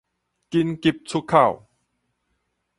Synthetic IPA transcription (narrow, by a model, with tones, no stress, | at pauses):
ki˧nki˧˩p̚t͡sʰu˦˥kʰːa˥˩w